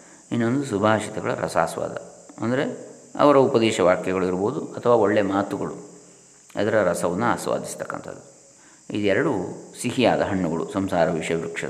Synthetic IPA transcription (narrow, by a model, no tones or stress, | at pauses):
inːond̪usubʱaːʃit̪ɐɡɐɭɐ̰ɾʔɐ̰sa̰ːsʋa̰ːd̪ʱɐ̰ɐnd̪ɐɾeɐ̰ʋɐɾɐupɐd̪ɛːʃɐʋaːkjɐɡɐɭuiɾboːd̪uɐt̪ʰɐʋaːo̞ɭːemaːt̪uɡɐɭu | ɐ̰d̪ɐɾɐɾɐsɐʋɐnːua̰ːsʋa̰ːd̪ist̪ɐ̥kːɐ̰nt̪ʰɐ̰d̪ːu | ḭd̪ɛɾɐɽusiɦijaːd̪ɐɦɐɳːuɡɐɭṵsɐmsaːɾɐʋiʂɐʋɾukʂɐ̰